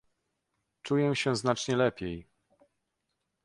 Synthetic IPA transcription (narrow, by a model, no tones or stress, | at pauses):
t͡ʂujɛɕɛznat͡ʂɲɛlɛpʲjɛj